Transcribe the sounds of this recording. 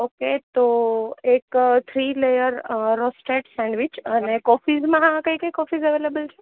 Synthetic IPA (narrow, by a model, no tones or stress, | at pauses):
oket̪oekt̪ʰɾilejəɾɾɔsʈeʈsɛ̃ɳɖʋit͡ʃənekɔfizmãɦãkəjkəjkɔfizəʋelebəlt͡ʃʰe